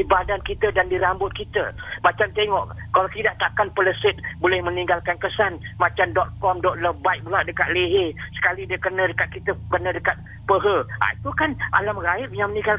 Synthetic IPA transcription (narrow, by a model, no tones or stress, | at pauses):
ibadankit̪ədandiɾambʊt̪̚kit̪əmat͡ʃamt̪eŋɔʔkalak̪idaʔt̪aʔkanpələsət̪̚bolɛhmənĩŋɡalkankəsanmat͡ʃamdɔt̪̚kɔmdɔt̪̚ləbajk̚bulaʔ̚dəkat̪̚leɦesə̥kalidiəkənədəkat̪̚kit̪əkənə̃dəkat̪̚ | pəɦəa̰it̪ukanʔa̰lamraɪp̚jaŋmənĩŋɡal